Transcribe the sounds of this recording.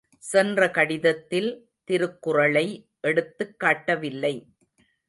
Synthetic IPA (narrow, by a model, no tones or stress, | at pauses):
sɛndrɐkɐɽɪðɐt̪ːɪl | t̪ɪɾɯkːʊrɐɭɐɪ | ʔɛɽɯt̪ːɯkːaːʈːɐʋɪlːɐɪ